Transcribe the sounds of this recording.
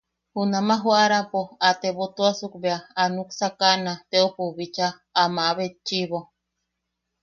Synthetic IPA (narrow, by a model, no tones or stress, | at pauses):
hunamaɦuaɾapoat̪eβot̪uasukbeaːnuksakanat̪eopuβit͡ʃaː | maβet͡ʃiβo